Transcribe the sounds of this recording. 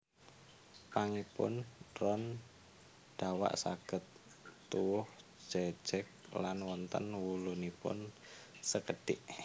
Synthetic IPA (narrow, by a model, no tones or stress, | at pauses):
paŋipʊ̰nɾɔn | ɖ̪̥awa̰ʔsa̰ɡ̥ə̤t̪ː | uwʊh | d͡ʒ̥ɛ̥d͡ʒ̥ɛk̚lanwɔnt̪ənwulunipʊ̰nsəkəɖ̥ɪʔ